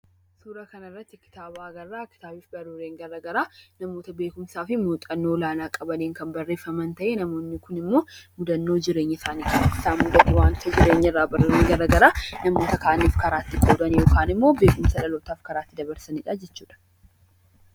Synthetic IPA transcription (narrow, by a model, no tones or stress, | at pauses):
suːɾɐkɐnɐɪrːɐt̪ːɪkːɪ̥t̪aːbaːɡɐrːaːkːɪ̥t̪aːbiːfbɐrːuɾeːŋɡɐɾɐɡɐɾaːnɐmoːt̪ɐbe̞ːkʊmsaːfɪmut̪ʼɐnːoːlaːnaːkʼɐbɐleːŋkɐnbɐrːeːfːɐmɐnt̪ɐʔeːnɐmo̞ːnːɪkʊnɪmːo̞ːmʊd̪ɐnːoːd͡ʒɪɾe̞ːɲːɐɪsaːnɪᶑɐɐɪsaːnmʊd̪ɐt̪ːɐwaːnt̪ʰɐd͡ʒɪɾe̞ːɲːɐɪrːaːbɐruɾeːŋɡɐɾɐɡɐɾaːnɐmo̞ːt̪ɐkaːʔniːfkɐɾaːt̪ːɪkʼoːd̪ɐnjo̞ːkaːnɪmːo̞ːbeːkʊmsɐᶑɐlo̞ːt̪aːfkɐɾaːt̪ːɪd̪ɐbɐɾsɐnɪᶑad͡ʒɛt͡ʃːuːᶑɐ̥